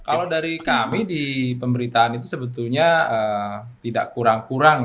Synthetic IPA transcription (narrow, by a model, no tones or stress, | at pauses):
kalowdaɾikamidipəmbəɾit̪aanit̪usəbət̪ulɲaə | t̪ida̰ʔkuɾaŋkuɾaŋ